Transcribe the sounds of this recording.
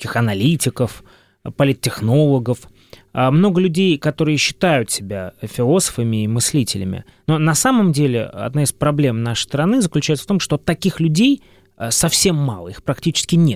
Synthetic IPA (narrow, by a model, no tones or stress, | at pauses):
kʲɪxɐnɐlʲitʲɪkəf | pəlʲɪt̪ʲːɪxno̞lˠəɡəf | əmno̞ɡəlʲʉdʲejkɐt̪o̞ɾɨjəɕːɪ̥t̪ajʊt̪sʲɪbʲafʲɪlˠo̞sə̥fəmʲɪːmɨsʲlʲitʲɪlʲɪmʲɪ̰ | nonɐsaməmdʲelʲɪ̰ɐ̰d̪naɪspɾɐblʲe̞mnaʂɨ̥jst̪ɾɐnɨzəklʲʉt͡ɕɛjt̪sə̥ft̪omʂt̪ot̪ɐkʲixlʲʉdʲej | əsɐfsʲe̞mːalˠəixpɾɐktʲit͡ɕɪ̥skʲɪnʲet̪̚